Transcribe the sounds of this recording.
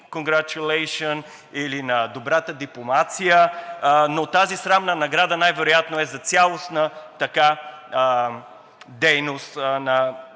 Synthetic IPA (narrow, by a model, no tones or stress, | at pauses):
koŋɡɾat͡ʃulɛjʃiən | ilinɐd̪obɾat̪əd̪iplˠomat̪sijə | not̪azisɾamnənɐɡɾad̪ənajvɛɾojat̪noɛzɐt̪sʲjalˠosnət̪ɐka | d̪ɛjnost̪nɐ